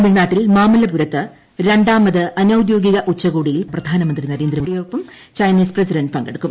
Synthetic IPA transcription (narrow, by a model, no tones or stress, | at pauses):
ɐmiɻnaːʈːilmaːmɐlɐpuɾɐt̪ːɨ | ɾe̞ɳɖaːmɐðɨɐnɐwd̪jo̞ːɡiɣɐʔut͡ɕːɐɣuːɽijilprɐd̪ʱaːnɐmɐnd̪rinɐɾeːnd̪ɾɐɽijoːrpːɐm | t͡ɕɐjniːsprɐsiɖɐnɖpɐŋɡɐɽɨkːum